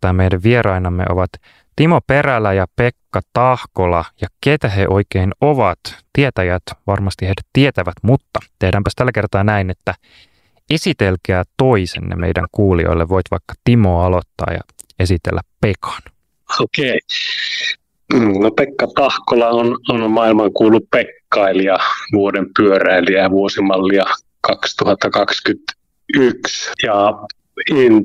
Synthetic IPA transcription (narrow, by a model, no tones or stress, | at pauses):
ɑːmmejdæʋʋierɑinɑmːḛʔo̞̰ʋɑt̪ | t̪imopeɾælːæjɑpekːɑt̪ɑhkolɑjɑket̪æheʔo̞ikeinoʋɑt̪t̪iet̪æjæt̪ʋɑrmɑst̪ihedæt̪t̪ːiet̪æʋæt̪mut̪ːɑt̪e̞hdæːmpæst̪ælːæke̞rt̪ɑːnæinet̪ːæ | esit̪elkæːt̪o̞isḛnnḛmḛjdæ̰ŋkuːlio̰ilːeʋʋo̞it̪ʋɑ̰ikːɑ̥t̪imoːɑlot̪ːɑ̰ːjɑ̰esit̪ḛlːæppekɑ̥n | okei | m̩ːnopekːɑt̪ɑhkolɑononmɑilmɑŋkuːlːuppekːɑiliɑʋuodempyøræiliæʋuosimɑlːiɑ | kɑkst̪uhɑt̪ːɑkɑkskyt̪ | yksjɑ | in